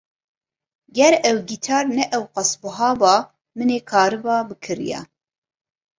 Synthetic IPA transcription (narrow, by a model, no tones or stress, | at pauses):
ɡɛɾɛwɡit̪ʰɑːɾnɛʔɛwqɑsbɨɦɑːbɑː | mɨneːkʰɑːɾɨbɑːbɨkʰɨɾḭjɛ̰